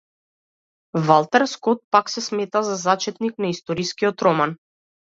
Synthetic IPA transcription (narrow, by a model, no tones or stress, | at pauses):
valˠt̪ɛɾskɔt̪̚paksɛsmɛt̪azazat͡ʃɛt̪niknaist̪ɔɾiskiɔt̪ɾɔman